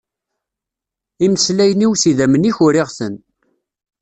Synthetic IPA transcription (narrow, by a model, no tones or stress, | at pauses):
imslæjəniwsiðæməniçʊɾɪʁθən